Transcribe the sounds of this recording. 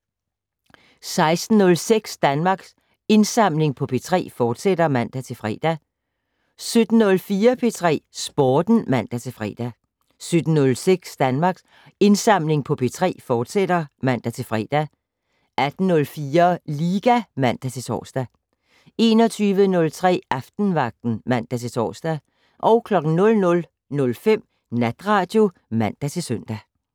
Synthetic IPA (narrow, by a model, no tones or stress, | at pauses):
sɑ̈ɪsd̥n̩ːɔ̽lseɡ̥sd̥ænmɑ̈ːɡ̥s | e̝nsɑ̈m̰le̝ŋpʰɒ̽pʰe̝t͡sʰʁɛ̰ːfɒːd̥sed̥ɐmæn̰d̥æt͡sʰe̝lfʁɛ̰d̥æ | sød̥n̩ːɔ̽lfiːɐpʰe̝t͡sʰʁɛ̰ːsb̥ɒːd̥n̩mæn̰d̥æt͡sʰe̝fʁɛ̰ːd̥æ | sød̥n̩ːɔ̽lseɡ̥sd̥ænmɑ̈ːɡ̥s | e̝nsɑ̈m̰le̝ŋpʰɒ̽pʰe̝t͡sʰʁɛ̰ːfɒːd̥sed̥ɐmæn̰d̥æt͡sʰe̝lfʁɛ̰ːd̥æ | ʔæd̥n̩nɔ̽lfiːɐliːɡ̥æmæn̰d̥æt͡sʰe̝t͡sʰɒ̰ːsd̥æ | e̝ːnɒ̽t͡sʰyːʋənɔ̽lt͡sʰʁɛ̰ːʔɑfd̥n̩ʋɑ̈ɡ̥̚d̥n̩mæn̰d̥æt͡sʰe̝t͡sʰɒ̰ːsd̥æ | ʔɒ̽ʊkʰlɒ̽ɡ̥n̩nɔ̽lnɔ̽l | nɔ̽lfem̰ | næd̥ʁɑ̈ːd̥jo̝ | mæn̰d̥æt͡sʰe̝søn̰d̥æ